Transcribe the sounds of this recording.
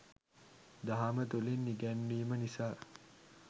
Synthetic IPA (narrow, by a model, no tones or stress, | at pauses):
d̪aɦamət̪ulinːiɡɛnːiːmənisaː